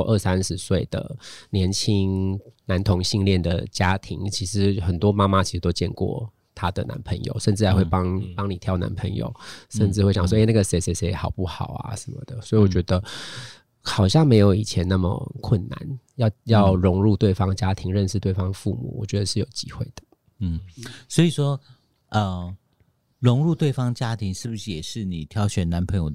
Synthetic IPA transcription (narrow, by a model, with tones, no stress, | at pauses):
ʔə˥˧˩sa˦nʂɻ̩˧˥swe˥˩ɪd̪ə̰˩njɛ˧˥nt͡ɕʰi˥ŋna˧˦˥nt̪ʰo˧˥ŋɕi˥˧ŋljɛ˥˩nd̪ə̰˩t͡ɕja˥t̪ʰi˧˥ŋt͡ɕʰi˧˥ʂɻ̩˧˥xə˨˩nt̪wɔ˥ma˥ma˥˦t͡ɕʰi˧˥ʂɻ̩˧t̪o˥ʊt͡ɕjɛ˥˧nkwɔ̰˥˨˩ | t̪ʰa˥d̪ə˨na̰˧˦npʰə˧˥ŋjo̰˨˩ʊʂə˥˧nʈ͡ʂɻ̩ʰ˥˩a˧˦xwe˥˩ɪpɑ˥ŋpɑ˥ŋni˨˩t̪ʰjɑ˥ʊna̰˧˦npʰə˧˥ŋjo̰˨˩ʊʂə˥˧nʈ͡ʂɻ̩˥˧xwe˥˩jɑ˨˩s̬wɔ˥˧˥ɪ˦na˥˩ɡə˩se˧˥ɪse˧˥se˧˥ɪxɑ˨˩ʊpu˥˩xɑ˨˩ʊa̰˨ʂə˨˦nmə̰˨˩d̪̥ə˩swɔ˧˥i˨wɔ˨˩t͡ɕɥɛ˧˥d̪ə˧ | xɑ˨˩ʊɕjɑ˥˩ŋme˧˥ɪjo˧˥ʊi˨˩t͡ɕʰjɛ˧˦na˥˩mə̰˨˩kʰwə˥˩nːa̰˨˦njɑ˥˧ʊjɑ˥˨ʊɻʊ˧˥ŋɻu˥˧t̪we˥˩ɪfɑ˥ŋt͡ɕja˦˥t̪ʰi˧˥ŋɻə˥˧nʂɻ̩˥˧t̪we˥˩ɪfɑ˥ŋfu˥˨mṵ˨˩wɔ̰˨˩t͡ɕɥɛ˧˦d̪ə˧ʂɻ̩˥˩jo˨˩ʊt͡ɕi˦˥xwe˥˩ɪd̪̥ə̥˩˥˩ | swɔ˧˥i˨˩ʂwɔ˥ | ʔə˨˩ | ɻʊ˧˥ŋɻu˥˧t̪we˥˩ɪfɑ˥ŋt͡ɕja˦˥t̪ʰi˧˥ŋʂɻ̩˥˩bu˨˩ʂɻ̩˥˩jɛ˨˩ʂɻ̩˥˩ni˨˩t̪ʰjɑ˧˥ʊɕɥɛ˨˩na˧˦npʰə˧˥ŋjo˨˩ʊ